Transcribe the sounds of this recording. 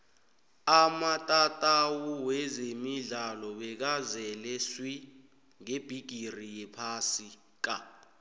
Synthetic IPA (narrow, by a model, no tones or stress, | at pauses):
amatʼatʼawuwɛzemiɮalɔɓɛk̬azɛlɛswi | ŋeb̥ʱiɡ̥ʱirijɛpʰasi | k̬a